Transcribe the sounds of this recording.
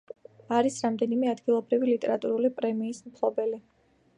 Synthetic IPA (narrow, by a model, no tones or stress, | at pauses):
aɾisɾamd̪ɛnimɛad̪ɡilˠɔbɾivilit̪ʼɛɾat̪ʼuɾulipʼɾɛmiːsmpʰlˠɔbɛli